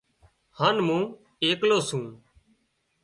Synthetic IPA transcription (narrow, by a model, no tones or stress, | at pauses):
haːnmũː | eːkloːsũː